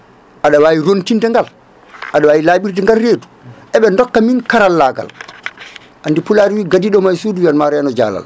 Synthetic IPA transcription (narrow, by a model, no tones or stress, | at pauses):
ʔaɗawaːwiɾontintɛŋɡal | ʔaɗawaːjilaːɓiɾtɛŋɡalreːdu̥ʔɛɓɛndɔkːaminkaɾalːaɡa̰l | ʔandipulaːɾwiːɡadiɗɔmajsuduwialmaɾɛanɔd͡ʒa̰ːla̰l